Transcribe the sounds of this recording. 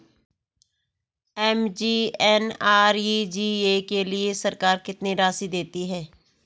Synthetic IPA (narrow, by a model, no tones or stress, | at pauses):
ɛːmd͡ʒiːɛːnaːɾiːd͡ʒiːeːkeːlɪeːsəɾkaːɾkɪt̪niːɾaːsiːd̪eːt̪iːɦɛː